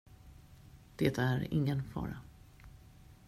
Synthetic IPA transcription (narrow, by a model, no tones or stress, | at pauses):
d̪̥eːt̪æɾɪ̰ŋːənfɑ̰ːɾa